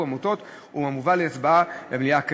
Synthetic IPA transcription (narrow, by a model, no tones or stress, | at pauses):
amut̪ot̪ | umamuvalesbaabemlijak